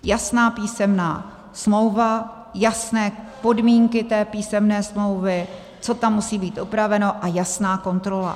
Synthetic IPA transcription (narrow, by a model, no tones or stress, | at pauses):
jasnaːpiːsɛmna̰ː | smlo̞wva | jasnɛː | po̞dmiːŋkɪt̪ɛːpiːsɛmnɛːsmlo̞wvɪ | t͡so̞t̪amːusiːbiːt̪ʔupɾavɛno̞ʔajasnaːko̞nt̪ɾo̞la̰